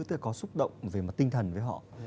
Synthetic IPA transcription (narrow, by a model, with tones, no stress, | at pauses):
t̪ːkɔ˨˦sʊ˦˥k͡p̚ɗə̰˧˨wŋ͡mve˨˩ma˨˩t̚t̪i˧ŋt̪ʰə˨˩nvəː˨˦jɦɔ̰˧˨